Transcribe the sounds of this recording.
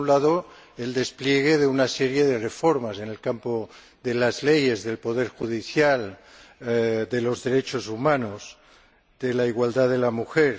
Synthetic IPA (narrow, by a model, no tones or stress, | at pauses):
unlaðo | eld̪e̞spljeɣ̞eðeunaseɾje̞ðe̞re̞foɾmase̞ne̞lkampo | ðelazleje̞zðe̞lpo̞ðeɾxuð̞iθjal | d̪e̞lo̞zðe̞ɾet͡ʃozumãnoz | ðelaiɣwald̪aðelamuxeɾ